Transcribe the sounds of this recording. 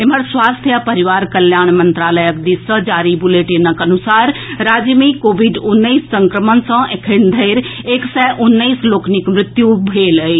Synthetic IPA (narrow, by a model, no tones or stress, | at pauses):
ɪməɾswaːst̪ʰijapɐɾɪʋaːɾkɐljaːɽ̃mɐ̃nt̪ɾaːləjək̚d̪isəd͡ʒaːɾibʊleːʈinɐkɐnʊsaːɾɾaːd͡ʑjəmikoːʋiɖʊnːəisːɐ̃ŋkɾəmən̆sãʔekʰənd̪ʱɐɪɾeksɛːʔʊnːəisloːknɪkmɾɪt̪jubʱeːləeː